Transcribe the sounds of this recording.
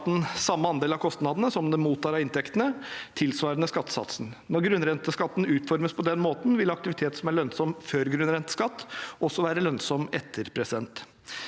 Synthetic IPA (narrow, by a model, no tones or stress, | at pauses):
t̪n̩sɑmːəɑnd̪eːlɑʋkʰɔst̪nɑd̪nəsɔmd̪ɛmuːt̪ʰːɑːɾɑʋɪnt̪ʰɛkt̪ənət̪ʰɪlsʋɑːɾənəskɑt̪ːsɑ̰t̪sən̩nɔɾɡɾʉnɾɛnt̪əskɑt̪ːn̩ʉːt̪fɔɾməspʰɔd̪ɛnmoːt̪n̩ʋɪlɑk̚t̪ɪʋɪt̪ʰeːt̪sɔmæɭœnsɔmføːɾɡɾʉnɾɛnt̪ə̥skɑt̪ːʔɔsɔʋæːɾəlœnsɔmɛt̪ʰːəɾpʰɾɛsd̪ɛnt̪